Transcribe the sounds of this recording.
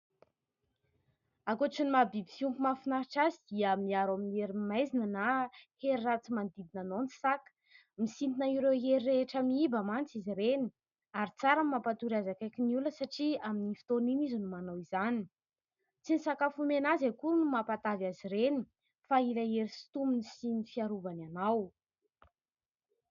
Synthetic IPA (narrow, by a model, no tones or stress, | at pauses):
akoʈ͡ʂinimabibifiumpumafinaɾiʈ͡ʂazid̪̥iəmiaɾaminieɾimajzinənaheɾirat͡simand̪id̪inanont͡si̥sakə̥ | misint̪inaiɾewɦeɾireeʈ͡ʂəmiibəmant͡siziɾeni̥ | aɾit͡saɾanmapat̪uɾiazakajkiniuləsaʈ͡ʂiaminifi̥t̪oninizənumanawizani | t͡sinisakafumenazakunumapat̪avaziɾeni | failaeɾisi̥t̪uminisinifiaɾuvananaw